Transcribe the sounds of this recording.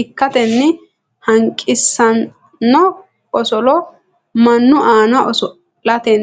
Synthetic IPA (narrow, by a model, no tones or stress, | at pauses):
ɪkːɐt̪ɛnːɪ | hɐŋkʼːɪsːɐnː | ɔ | ɔsɔlɔ | mɐnːʊʔaːnɐʔɔsɔ | lɐt̪ɛn